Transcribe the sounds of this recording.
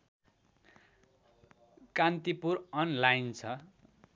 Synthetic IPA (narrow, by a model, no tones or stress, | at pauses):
kant̪ipurʌnlajnt͡sʰʌ